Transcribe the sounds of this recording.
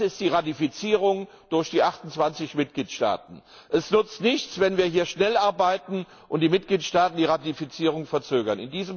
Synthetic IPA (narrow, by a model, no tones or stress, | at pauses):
ɪstd̥iːʁatifit͡siːʁʊŋ | d̥ʊɐçd̥iːʔaχtʊnt͡sv̥ant͡sɪçmɪt̚ɡ̥liːtʃta̰ːtn̩ | ʔɛsnʏt͡stnɪçt͡sv̥ɛnviːɐɦiːɐʃnɛlʔaɐbaɪtn̩ | ʔʊntd̥iːmɪt̚ɡ̥liːtʃtaːtn̩diːʁatifit͡siːʁ̞ʊŋfɛɐt͡søːɡɐnɪ̰ndiːzəm